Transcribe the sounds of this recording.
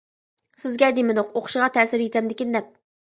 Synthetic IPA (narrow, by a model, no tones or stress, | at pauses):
sɪzɡʲɛd̪emɪd̪oqoqʰʊ̥ʃɨʁɑt̪ʰɛsɪɾjet̪ʰɛmd̪ɪkʲind̪ɛp̚